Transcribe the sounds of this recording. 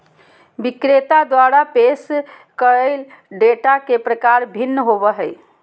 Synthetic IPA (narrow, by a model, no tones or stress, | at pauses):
bikɾet̪ad̪waɾapes | kəɾəɪlɖeʈakepɾəkaɾbʱinːəɦobəɦəj